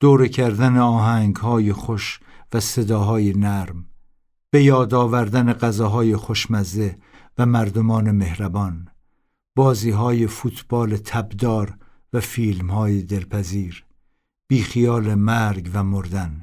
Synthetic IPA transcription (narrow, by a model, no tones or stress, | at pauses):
d̪̥oːɾecʰæɾd̪æneɒːɦæŋɡhɒːjeχoʃvæse̞d̪ɒːɦɒːje̞næɾm | b̥e̞jɒːd̪ɒːvæɾd̪æneɢæzɒːɦɒːjeχoʃmæzd̪e̞ | væmæɾd̪omɒːne̞me̞hɾæbɒːn | b̥ɒːziːɦɒːjefuːt̪ʰb̥ɒːle̞t̪ʰæbd̪ɒːɾ | væfiːlmhɒːjed̪e̞lpʰæziːɾ | b̥iːxijɒːlemæɾɡvæmoɾd̪æn